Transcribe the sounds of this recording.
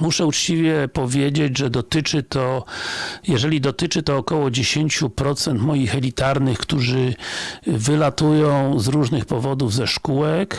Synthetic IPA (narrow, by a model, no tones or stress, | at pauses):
muʂɛut͡ʂt͡ɕivʲjɛpɔvʲjed͡ʑed͡ʑʐɛd̪ɔt̪ɘt͡ʂɘt̪ɔ | jɛʐɛlʲid̪ɔt̪ɘt͡ʂɘt̪ɔːkɔwɔd͡ʑeɕeɲt͡ɕupɾɔt̪sɛnt̪mɔjixɛlʲit̪aɾnɘxkt̪uʐɘ | vɘlat̪ujɔ̃w̃zɾuʐnɘxpɔvɔd̪uvzɛʂkuwɛk